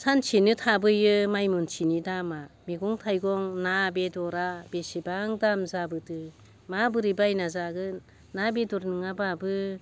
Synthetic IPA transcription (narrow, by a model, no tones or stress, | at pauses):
sant͡ʃʰinɯtʰabɯjɯmajmɔnt͡ʃʰinidamamiɡɔŋtʰajɡɔŋnabedɔɾab̥esibaŋdamzabɯdɯ | mabɯɾibajnazaɡɯnː | abedɔɾnɯŋababɯ